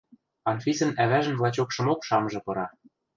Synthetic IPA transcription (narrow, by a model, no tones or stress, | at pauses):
ɑnfisɤ̆næβæʒə̆nvlˠɑt͡ɕokʃɤ̆mokʃɑmʒɤ̆pɤ̆ɾɑ